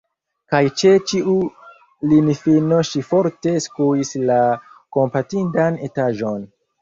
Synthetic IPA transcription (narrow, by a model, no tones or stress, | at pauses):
kajt͡ʃe̞t͡ʃiʔu | linifino̞ʃifo̞ɾte̞skuislako̞mpatindane̞taʒo̞n